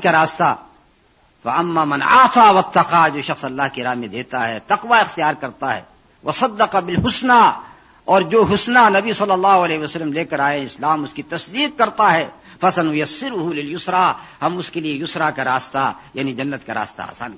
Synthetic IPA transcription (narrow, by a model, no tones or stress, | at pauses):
kaɾaːst̪a̰ | fɐ̰ɐmːaːmɐna̰ːt̪aːwɐt̪ːɐqad͡ʒoːʃɐxsɐlːaːɦkiɾaːɦmẽd̪eːt̪aɦɛːt̪ɐqʋaɪxt̪ijaːɾkɐɾt̪aɦɛ̰ː | wʔɐsɐd̪ːɐqɑbɪlɦʊsna | ɔːɾd͡ʒoːɦʊsnanɐbisɐlːɐlːaːɦʊɐlɛːɦwɐsɐlːəmleːkɐɾaːẽɪslaːmʊskit̪ɐsd̪iːq̚kɐɾt̪aɦɛː | fɐsɐnwɐjɐsːɪɾʊɦulɪljʊsɾaːhɐmʊskeliejʊsɾakaɾaːst̪ajaːnid͡ʒɐnːət̪kaɾa̰ːst̪a̰a̰ːsa̰ːn